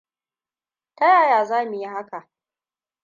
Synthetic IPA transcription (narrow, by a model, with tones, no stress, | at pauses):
ta˦jaː˦˨jaː˨zaː˦mu˨ji˦ha˦ka˨ʔ